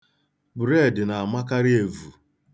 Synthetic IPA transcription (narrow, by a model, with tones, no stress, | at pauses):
bɾe˦˨dɪ˨na˨a˨ma˦ka˦ɾɪ˦e˨vu˨